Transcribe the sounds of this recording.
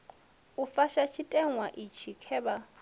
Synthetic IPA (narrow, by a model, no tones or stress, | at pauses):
ufaʃat͡ʃʰitʼɛŋwaʔit͡ʃʰikʰɛːba